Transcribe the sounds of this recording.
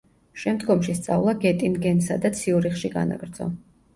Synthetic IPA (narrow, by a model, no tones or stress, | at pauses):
ʃɛmd̪ɡɔmʃist̪sʼa̰vlˠaɡɛt̪ʼinɡɛnsa̰d̪at̪sʰiuɾiχʃiɡa̰na̰ɡɾd̪zɔ̰